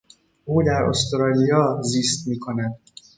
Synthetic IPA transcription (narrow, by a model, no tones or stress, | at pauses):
oːlaːɾo̰st̪ɾɒlijɒzist̪mikɒnɛd̪